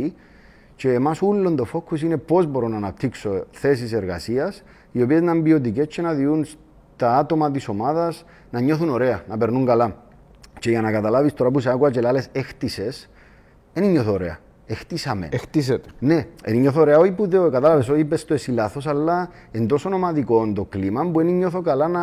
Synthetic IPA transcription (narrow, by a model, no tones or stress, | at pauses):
i | t͡ʃe̞ːmasulːo̞nd̪o̞fo̞kːus̬ine̞po̞zbo̞ɾonːanap̚t̪ʰikso̞θe̞s̬iseɾɣa̰siɐs | io̞pie̞znambio̞t̪̬ike̞st͡ʃʰːenaðiuns | t̪aat̪o̞mɐt̪̬iso̞maðɐs | nɐɲːo̞θuno̞ɾe̞anɐpe̞ɾnuŋɡala | t͡ʃe̞ʝanɐkat̪alavist̪o̞ɾap̬useakuɐt͡ʃe̞lale̞sext̪ise̞s | eniɲːoθoɾe̞̰ɐ̰ | ext̪isɐmḛnext̪iset̪e̥ne̞eniɲːoθoɾeaoipuðeokat̪alavesoiipest̪oesilaθo̞salːa | end̪o̞sonomat̪iko̞nd̪o̞klimɐmbueniɲːoθo̞kalanɐ